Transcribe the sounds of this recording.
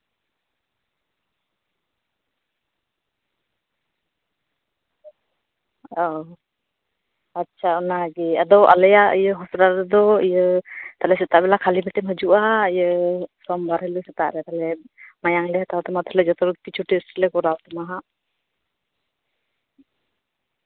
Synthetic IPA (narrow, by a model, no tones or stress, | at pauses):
ɔ | atːt͡ʃʰaɔnaɡɛa̰d̪ɔʔa̰lɛjaḭjəɦɔsɾaɾɛd̪ɔijət̪alɛsɛt̪aʔbɛlakʰalibɛtɛmɦəd͡ʒuʔaəjəsɔmbaɾɦələsɛt̪a̰ʔɾɛt̪alɛmajaŋlɛhat̪awt̪ɔmat̪ɔlɛd͡ʒɔt̪ɔɾkit͡ʃʰuʈisʈlɛkɔɾawt̪ɔmaɦaʔ